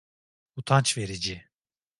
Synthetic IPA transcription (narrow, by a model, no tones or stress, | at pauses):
ut̪ʰant͡ʃve̞ɾid͡ʒi